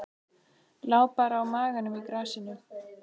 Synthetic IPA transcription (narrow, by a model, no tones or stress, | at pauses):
laːwpaɾawmaːɣanʏmikɾaːsɪnːʏ